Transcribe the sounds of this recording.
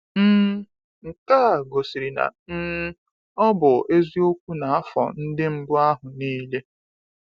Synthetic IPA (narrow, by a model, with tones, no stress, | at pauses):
m̩˦ | ŋ̩˨ka˦˨ɡo˨si˨ɾi˨na̰˨n̩˦ | ɔ˦bʊ˨e˦zi˦o˦kʷu˦na˨a˦fɔ̰˨n̩˦dɪ˦m̩˦bʊ˦a˦ɦʊ˨niː˦le˦